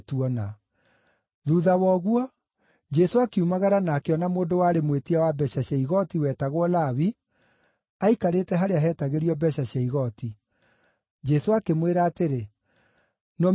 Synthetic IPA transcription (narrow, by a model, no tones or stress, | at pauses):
tuɔna | ðuðawɔɣwɔ | d͡ʒɛsoakiumaɣaɾanaːkeɔnamoːndowaːɾemwetiawabɛɕaɕɛiɣɔtiwɛtaɣwɔlaβi | aikaɾetɛɦaɾeaɦɛtaɣeɾiɔbɛɕaɕɛiɣɔti | d͡ʒɛsoakemweɾaːteɾe | nɔ